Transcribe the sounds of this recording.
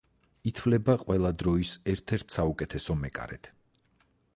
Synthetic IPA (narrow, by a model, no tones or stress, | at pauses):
it̪ʰvlɛbaqʼwɛlˠad̪ɾɔisɛɾt̪ʰɛɾt̪ʰsaukʼɛt̪ʰɛsɔmɛkʼa̰ɾɛt̪ʰ